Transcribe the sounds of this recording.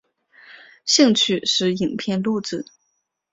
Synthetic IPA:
ɕi˥˧ŋt͡ɕʰy˥˩ʂɻ̩˥˧i˨˩ŋpʰjɛ˥˧nlu˥˧ʈ͡ʂɹ̩˥˩˦

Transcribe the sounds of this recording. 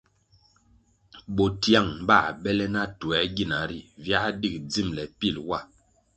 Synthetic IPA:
ɓo˨ti˦a˦˨ŋ˨ba˦˨ɓɛ˦lɛ˦na˦tu˨ɛ˨˦ɡi˦˨na˨ɾi˦˨vja˦di˦˨k̚d͡zi˦˨mlɛ˨pi˦˨lwa˦˨

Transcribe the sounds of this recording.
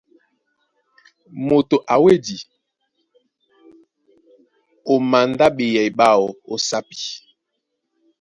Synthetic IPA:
mo˨to˨ʔa˨we˦di˨ | o˨ma˨nda˦ɓe˨jɛ˨i˨ɓa˦wo˨o˦sa˦pi̥˨

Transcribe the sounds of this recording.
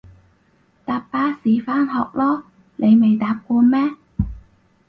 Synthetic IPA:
t̪aː˨˧ppaː˨˥siː˨˥faː˥nɦɔː˨k̚lɔː˥ | ne˨˧jme˨jt̪aː˨˧p̚kɔː˧mɛː˥

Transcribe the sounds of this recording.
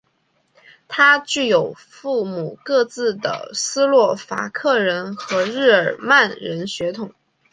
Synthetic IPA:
t̪ʰa˥t͡ɕy˥˩jo˨˩ʊ | fu˥˩mu˨˩kɤ˥˧t͡sɹ̩˥˩d̪ə̰˩sɹ̩˥lwɔ˥˩fa̰˧˥kʰɤ˥˩ɻə˧˥nxɤ˧˥ɻɻ̩˥˩ə˞˨˩ma˥˩nɻə˧˥nɕɥɛ˧˥t̪ʰʊ˨˩˦ŋ

